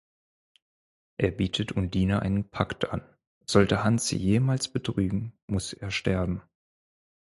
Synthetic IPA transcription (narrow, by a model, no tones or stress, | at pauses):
ʔeːɐbiːtʰətʰʊnd̥iːnɐʔa̰ɪnənpʰaktʰʔa̰n | z̥ɔltəhansz̥ḭːjeːmaːlsb̥ətʁ̥yːɡŋ̩mʊsʔeːɐʃtɛɐbm̩